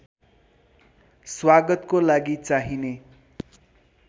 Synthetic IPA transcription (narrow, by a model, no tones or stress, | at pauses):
swaɡʌt̪kolaɡit͡saɦine